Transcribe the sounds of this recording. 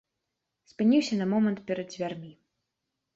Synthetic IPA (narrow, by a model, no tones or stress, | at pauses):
spɨnʲiwsʲɐnɐmɔmɐnt̪̚pʲɛɾɐd̪zʲvʲarmʲi